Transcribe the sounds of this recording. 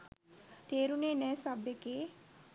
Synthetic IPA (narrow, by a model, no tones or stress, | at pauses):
t̪eːɾuneːnɛːsabekeː